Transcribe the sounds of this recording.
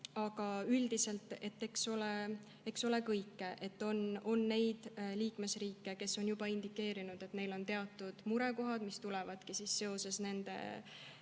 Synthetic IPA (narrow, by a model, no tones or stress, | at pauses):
ɑɡ̥ɑyld̪ise̞lt̪ːˑe̞t̪ːe̞kso̞le | e̞kso̞le̞kɤjkːeʔe̞t̪ːo̞no̞nːe̞jd̪̥liːkme̞sriːkːˑe̞ke̞sːo̞njub̥ɑind̪ikːˑe̞ːɾinud̪̥e̞t̪ne̞jlo̞nt̪e̞ɑt̪ːˑud̪̥muɾe̞ko̞ɦɑd̪mist̪ulevɑd̪̥kisisːe̞o̞se̞sne̞nd̪̥e̞̰